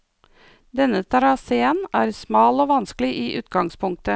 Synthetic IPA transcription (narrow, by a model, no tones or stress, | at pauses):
d̪ɛnət̪ʰɑɾɑseːənæːɾsmɑːloːʋɑnsklɪʔiːʔʉːt̪ɡɑŋspʰʊŋk̚t̪ə